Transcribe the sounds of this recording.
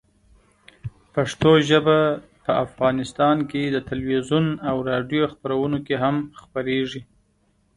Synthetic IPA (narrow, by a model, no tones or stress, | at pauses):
paʂt̪oʒəbapəafɣɑnɪst̪ɑnked̪ət̪alwizunawɾɑɖjoxpəɾawənokeɦamxpaɾeʐi